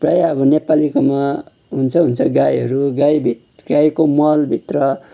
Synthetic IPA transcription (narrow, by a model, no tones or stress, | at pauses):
prʌjaʌbʌnepalikoma | ɦunt͡sʰʌɦunt͡sʰʌɡajɦʌɾuɡajbʱit̪ɡajkomʌlbʱit̪rʌ